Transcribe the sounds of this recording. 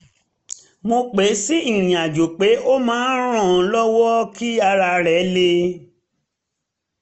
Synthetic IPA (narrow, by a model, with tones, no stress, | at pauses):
mo˧k͡pe˨˦si˦i˦˨ĩ˨a˨d͡ʒo˨k͡pe˨˦o˦mãː˦n˦ɾ̃ɔ̃˦˨˧lɔ˦wɔ˦ki˦a˧ɾa˧ɾɛ˨˦le˧